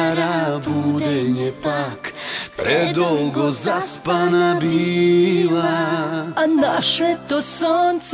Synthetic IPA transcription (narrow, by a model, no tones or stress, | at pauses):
ɾabud̪ɛɲɛpakpɾɛd̪olɡozaspanabi | la | anaʃɛt̪osons